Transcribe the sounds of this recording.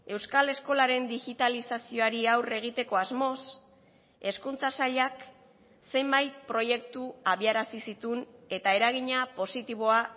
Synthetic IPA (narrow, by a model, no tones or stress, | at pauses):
e̞wskale̞sko̞laɾe̞nd̪iɣit̪alisasio̞aɾiawre̞ɣ̞it̪e̞ko̞azmo̞s | e̞skunt͡sasaʎak | se̞mbajt̪̚pɾo̞je̞kt̪uaβ̞iaɾasisit̪une̞t̪ae̞ɾaɣ̞iɲapo̞sit̪iβ̞o̞a